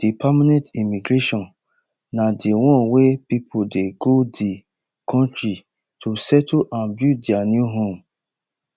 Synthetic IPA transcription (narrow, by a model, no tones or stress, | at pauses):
d̥ipʰamanɛ̃ntimiɡɾeʃɔ̃nː | adiwɔ̃nwepipʰodeɡodi | kʰɔ̃ntɹi | tʰusɛtoʔãnbjudjanjuɦõm